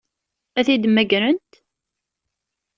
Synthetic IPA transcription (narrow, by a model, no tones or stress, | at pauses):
æθid̪mːæɡɾənt̪